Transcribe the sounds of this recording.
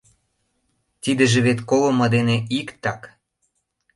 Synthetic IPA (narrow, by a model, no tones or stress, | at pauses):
t̪id̪ə̆ʒĕβet̪kolŏmɤd̪eneikt̪ɑk